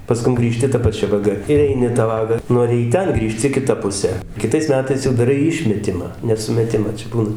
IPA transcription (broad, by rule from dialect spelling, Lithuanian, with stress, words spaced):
pɐˈskʊm ɡrʲiːˈʃʲtʲɪ tɐ pɐˈt͡ʃʲɛ ʋɐˈɡɐ ɪr ˈɛɪnʲɪ tɐ ˈʋɑːɡɐ ˈnoːrʲɪ iː ˈtʲɛn ˈɡrʲiːʃʲtʲɪ kʲɪˈtɐ pʊˈsʲɛ kʲɪˈtɐɪs mʲɛˈtɐɪs jɛʊ dɐˈrɐɪ ˈɪʃʲmʲɛtʲɪmɑː nʲɛ sʊmʲɛˈtʲɪmɐ ˈt͡ʃʲɛ ˈbuːnɐ